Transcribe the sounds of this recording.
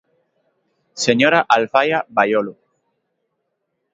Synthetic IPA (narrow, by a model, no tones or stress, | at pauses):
seɲoɾaʔalfajabajolu